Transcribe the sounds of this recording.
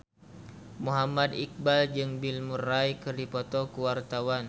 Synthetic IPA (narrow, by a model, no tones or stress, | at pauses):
muɦamad̪ik̚bald͡ʒɨŋbilmuraikɨrdipɔt̪ɔkuwart̪awan